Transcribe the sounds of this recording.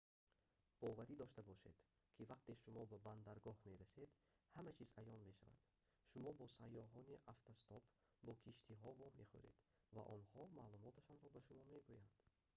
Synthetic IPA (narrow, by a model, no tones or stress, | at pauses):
b̥ɔvæɾid̪ɔʃt̪abɔʃe̞̰d̪̥ | kʰivaq̚t̪e̞ʃumɔbaband̪aɾɡɔhme̞ɾased̪ | hamæt͡ʃʰizajɔnme̞ʃava̰d̪̥ | ʃumɔbɔsajːɔɦɔniʔaft̪ʰast̪ɔp | bɔkʰiʃt̪ʰiɦɔvɔmːe̞̰χṵɾe̞̰d̪̥ | va̰ʔɔnhɔmaːlumɔt̪ʰaʃɔnɾɔbaʃumɔme̞ɡujand̪̥